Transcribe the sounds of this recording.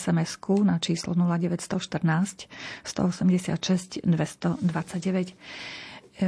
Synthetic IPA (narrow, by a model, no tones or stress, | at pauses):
sɛmɛskunat͡ʃiːslɔnulaɟɛʋɛcst̪ɔʃt̪r̩naːscst̪ɔ̰ɔsɛmɟɛsɪa̰t̪ʃɛscd̪ʋɛst̪ɔd̪ʋat͡saɟɟɛʋɛc